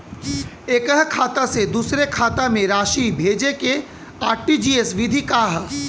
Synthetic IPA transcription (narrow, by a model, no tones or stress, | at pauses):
eːkəɦkʰaːt̪ased̪uːsɾekʰaːt̪amẽɾaːʃibʱeːd͡ʒeke | aːɾʈid͡ʒiːesʋɪd̪ʱikaːɦ